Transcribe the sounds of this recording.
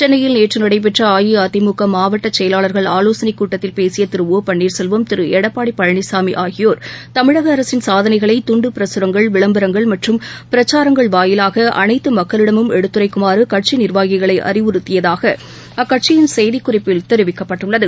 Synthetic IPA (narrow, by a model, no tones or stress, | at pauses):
t͡ʃɛnːɐjɪlneːʈrɯnɪɽɐɪp̬ɛʈrɐaːjiɐt̪ɪmʊkːɐmaːʋɐʈːɐt͡ʃːɛjɐlaːɭɐɾɣɐɭaːloːsɐnɪkːuːʈːɐt̪ːɪlpeːsɪjɐt̪ɪɾɯʋoːpɐɳːiːɾsɛlʋɐmt̪ɪɾɯɛɽɐpːaːɽipːɐɻɐɳɪsaːmiʔaːɣɪjoːɾt̪ɐmɪɻɐɣɐːɾɐsɪnsaːðɐnɐɪɣɐɭɐɪt̪ʊɳɖɯpɪɾɐsɯɾɐŋɡɐɭʋɪɭɐmbɐɾɐŋɡɐɭmɐʈrɯmpɪɾɐt͡ʃːaːɾɐŋɡɐɭʋaːjɪlaːɣɐʔɐ̰nɐɪt̪ːɯmɐkːɐlɪɽɐmɯmɛɽɯt̪ːɯɾɐɪkːʊmaːɾɯkɐʈ̚t͡ʃinɪɾʋaːɣɪɣɐɭɐɪʔɐ̰rɪʋɯɾɯt̪ːɪjɐðaːɣɐ | ɐkːɐʈ̚t͡ʃɪjɪnsɛjðɪkːʊrɪpːɪlt̪ɛɾɯʋɪkːɐpːɐʈːɯɭːɐðɯ